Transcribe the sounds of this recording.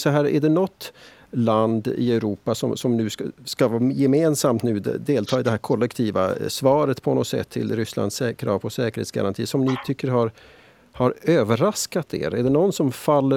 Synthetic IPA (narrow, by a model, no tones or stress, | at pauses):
sɔɦæːɾæ̰ɖɛnɔt̪ː | land̪ɪ̰ɛʉɾuːpasɔmsɔmnʉ̟ːskavjɛmeːnsamt̪nʉ̟ːd̪eːlt̪ʰɑːɪd̪ɛɦæːɾkʰɔlːɛkt̪ʰiːva̰svɑːɾət̪pʰɔnɔt̪sɛ̰t̪ʰːɪ̰lɾʏsla̰nsɛkʰɾɑːvɔsɛːkəɾhḛːt̪sɡa̰ɾant̪ʰiːsɔmnɪt̪ʰʏkːəɾhaɾ | haɾøːvəɾaskat̪ʰḛːɾæɖɛnɔnːsɔmfalːə